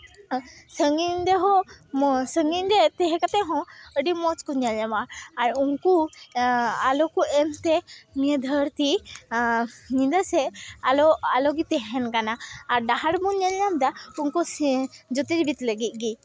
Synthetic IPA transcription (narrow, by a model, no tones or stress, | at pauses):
səŋiɲd̪ɛɦɔ | səŋiɲd̪ɛt̪ɛɦɛkat̪ɛɦɔ̃əɖimɔt͡ʃkɔɲalɲamaɾaɾuŋku | alɔkuɛmt̪ɛmiəd̪ʱəɾt̪i | ɲĩd̪əsɛalɔalɔɡit̪ɛɦɛnkanaːɾɖaɦaɽbuɲalɲamd̪auŋkɔd͡ʒɔt̪iɾbit̪ləɡit̪̚ˀɡi